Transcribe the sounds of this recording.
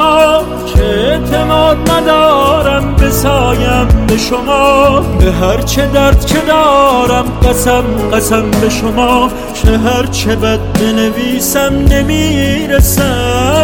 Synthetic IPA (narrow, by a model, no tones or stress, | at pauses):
cʰeeʔt̪ʰe̞mɒːd̪̚næd̪ɒːɾæmbe̞sɒːjæmbe̞ʃomɒːbeɦæɾt͡ʃʰe̞d̪æɾd̪̥kʰe̞d̪ɒːɾæmɢæsæmɢæsæmbe̞ʃomɑː | t͡ʃʰeɦæɾt͡ʃʰebæd̪̚be̞neviːsæmne̞miːɾesæ